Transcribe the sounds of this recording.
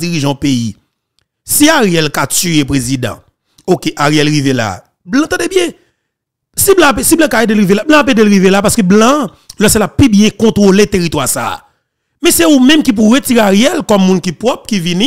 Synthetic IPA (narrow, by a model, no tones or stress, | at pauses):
iʁiʒɑ̃pei | siaʁjɛlkat͡syepʁezid̪ã̰ | okeʔaʁjɛlɣivela̰ | blãt̪ɑ̃debjɛ̃ | siblãapesiblãkaedelɣivelablãapedelɣivelapaskøblã | lɔselapːibjɛ̃kɔ̃t̪ʁolet̪eʁit̪wasa̰ | mɛ̃seumɛ̃mkip̬uɣetiʁeaʁjɛlkɔmːũnkipʁɔp̚kivinĩ